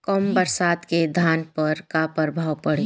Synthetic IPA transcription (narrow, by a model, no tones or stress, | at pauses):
kɔmbəɾsaːd̪ked̪ʱaːnpəɾkapəɾbʱaːwpɐɽe